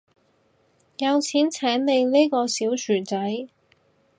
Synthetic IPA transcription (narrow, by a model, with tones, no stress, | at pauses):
jɐ˨˧wt͡sʰiː˨˥nt͡sʰɛː˨˥nle˨˧jliː˥kɔː˧siː˨˥wt͡ʃʰyː˨˩nt͡sɐ˨˥j